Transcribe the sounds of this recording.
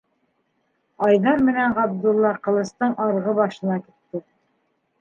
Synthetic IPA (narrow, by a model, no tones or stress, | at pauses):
ɑjnɑɾmɘ̆næɴʁɑb̚d̪ulˠːɑqɤ̆lˠɤ̆st̪ɤɴʔɑɾʁɤbɑʃɤ̆nɑkit̪ːɘ